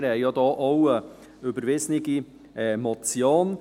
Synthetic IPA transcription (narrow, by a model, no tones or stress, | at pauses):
ɾɛɪjɑd̪ɑːʔowə | øbəɾvɪsnɪɡi | ɛmɔt͡sjoːn